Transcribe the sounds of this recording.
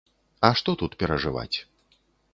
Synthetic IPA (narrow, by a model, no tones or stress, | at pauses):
ɐʂt̪ɔt̪ut̪pʲɛɾɐʐɨva̰t͡sʲ